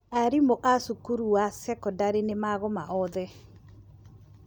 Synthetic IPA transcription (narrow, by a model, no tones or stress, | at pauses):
aɾimoʔasukuɾuwasɛkɔdaɾenemaɣɔmaʔɔðɛ